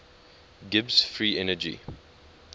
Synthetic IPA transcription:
ɡɪbsfɹiːɛnəd͡ʒḭ

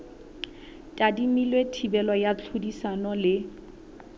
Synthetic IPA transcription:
tʼadimilwetʰibɛlɔjat͡ɬʰudisanɔlɪ

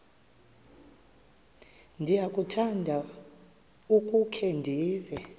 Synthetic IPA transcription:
ndʱijakʼutʰandʱa | ukʼukʰɛndʱiːvɛ

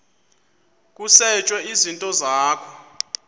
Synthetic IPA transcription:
k̬ʼusɛt͡ʃʼwɛizintʼɔzaːkʰɔ

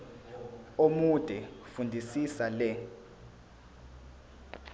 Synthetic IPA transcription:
omud̥ʱɛfundʱisisalɛ

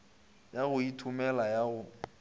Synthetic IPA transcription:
jaɣʊitʰumɛlajaɣʊ

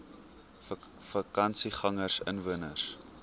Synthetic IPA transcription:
fɐkɐnsiχɐŋərsə̰nvuənərs

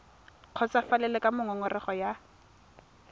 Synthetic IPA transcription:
q͡χʰɔt͡safalɛlɛkamʊŋɔŋʊrɪχɔja

